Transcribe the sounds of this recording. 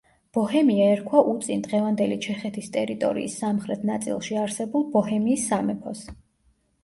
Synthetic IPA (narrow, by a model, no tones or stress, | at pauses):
b̥ɔhɛmiaɛɾkʰwaʔut̪sʼind̪ʁɛvand̪ɛlit͡ʃʰɛχɛt̪ʰist̪ʼɛɾit̪ʼɔ̰ɾḭːsːamχɾɛt̪ʰnat̪sʼḭlˠʃiaɾsɛbulˠbɔhɛmiːsːamɛpʰɔs